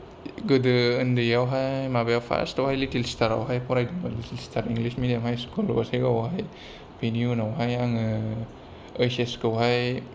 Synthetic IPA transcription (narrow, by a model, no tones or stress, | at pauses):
ɡɯdɯɯndɯjawɦajmabajawpʰa̰stawhajlitilstaɾa̰wɦajpɔɾajdimalitilstʰaɾiŋɡlismidiamhajskɔlɡɔ̰sajɡawɦaj | piniunawɦajaŋɯ | əjseskawɦaj